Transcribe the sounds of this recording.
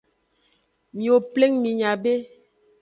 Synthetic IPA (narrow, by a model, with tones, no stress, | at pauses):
mi˨o˨ple˦ŋmi˨ɲa˨be˦